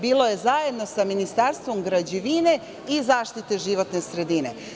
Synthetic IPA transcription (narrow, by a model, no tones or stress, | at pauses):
biːlo̞je̞zaje̞d̪no̞saminist̪aɾst̪ʋo̞mɡɾad͡ʑiʋine̞ | izaːʃt̪it̪e̞ʒiʋo̞t̪ne̞sɾe̞d̪ine̞